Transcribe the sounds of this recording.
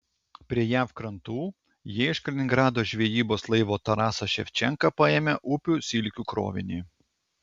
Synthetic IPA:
pʲɾʲiɛjæfkɾɐnt̪uː | jiːɪʃkɐlʲɪnʲɪŋɡɾɑːd̪oːʒʲʋʲiɛjiːboːslˠɐɪʋoːt̪ɐɾɑːsɐʃʲɛfʲt͡ʃʲɛŋkɐpɐeːmʲɛʔʊpʲuːsʲilʲkʲuːkɾo̰ːʋʲɪ̰nʲiː

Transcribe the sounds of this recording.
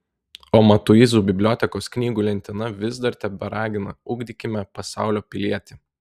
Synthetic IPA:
oːmɐt̪ʊizuːbʲɪbʲlʲoːt̪ʲɛkoːsknʲiːɡuːlʲɛnʲt̪ʲɪnɐʋʲɪzd̪ɐɾʲt̪ʲɛbʲɛɾɑːɡʲɪnɐʊɡd̪ʲikʲɪmʲɛpɐsɑˑʊlʲoːpʲɪlʲiɛt̪ʲi

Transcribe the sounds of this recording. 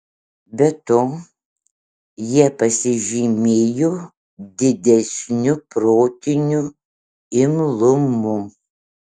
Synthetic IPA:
bʲɛt̪oː | jiɛpɐsʲɪʒʲimʲeːjoː | d̪ʲɪd̪ʲɛsʲnʲʊpɾoːt̪ʲɪnʲʊ | ɪmlˠʊmʊ

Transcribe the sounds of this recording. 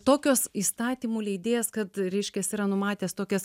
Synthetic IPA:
t̪oːkʲoːsist̪ɑːt̪ʲiːmuːlʲɛɪd̪ʲeːjɛskɐt̪ɾʲɛɪʃʲkʲɛsiːɾɐnʊmɑːt̪ʲeːst̪oːkʲɛs

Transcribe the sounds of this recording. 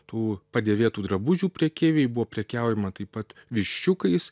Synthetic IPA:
t̪uːpɐd̪ʲeːʋʲeːt̪uːd̪ɾɐbʊʒʲuːpʲɾʲɛkʲeːʋʲeːɪbʊʋoːpʲɾʲɛkʲɛˑʊjɛmɐt̪ɐɪpɐt̪ʋʲɪʃʲt͡ʃʲʊkɐɪs

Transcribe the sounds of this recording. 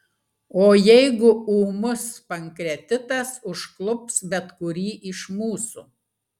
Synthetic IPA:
oːjɛɪɡʊuːmʊspɐŋkɾʲɛt̪ʲɪt̪ɐsʊʃklˠʊpsbʲɛt̪kʊɾʲiːʔɪʃmuːsṵː

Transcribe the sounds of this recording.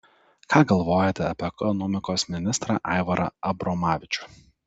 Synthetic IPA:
kʰɑːɡɐlˠʋoːjɛt̪ʲɛɐpʲːɛkɔnɔmʲɪkoːsmʲɪnʲɪst̪ɾɑ̰ːʔɐ̰ɪʋɐɾʔɐ̰ɐbɾɔmɑːʋʲɪt͡ʃʲʊ̥

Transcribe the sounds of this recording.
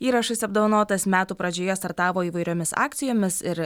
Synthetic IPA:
iːɾɐʃɐsɐb̚d̪oʋɐnoːt̪ɐsmʲæːt̪uːpɾɐd͡ʒʲoːjɛst̪ɐɾt̪ɑːʋoːiːʋɐɪɾʲoːmʲɪsɑ̰ːk̚t̪sʲɪjoːmʲɪsɪɾ

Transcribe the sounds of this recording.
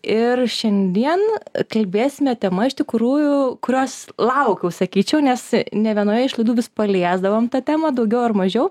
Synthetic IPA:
ɪrʃʲɛnʲd̪ʲiɛnkɐlʲbʲeːsʲɪmʲɛt̪ʲɛmɐɪʃt̪ʲɪkɾuːjʊkʊɾʲoːslˠɐʊkʲɛʊsɐkʲiːt͡ʃʲɛʊnʲɛsnʲɛʋʲiɛnoːjɛɪʃlˠɐɪd̪uːʋʲɪspɐlʲiɛzd̪ɐʋoːmt̪ɐt̪ʲæːmɐd̪ɐʊɡʲɛʊɐrmɐʒʲɛʊ

